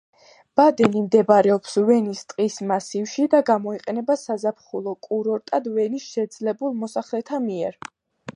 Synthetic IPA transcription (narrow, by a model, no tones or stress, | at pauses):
b̥ad̪ɛnimd̪ɛbaɾɛɔpsvɛnist̪ʼqʼismasivʃid̪aɡamɔiqʼɛnɛbasazapʰχulˠɔkʼuɾɔɾt̪ʼad̪vɛnisʃɛd̪zlɛbulˠmɔsaχlɛt̪ʰamiɛɾ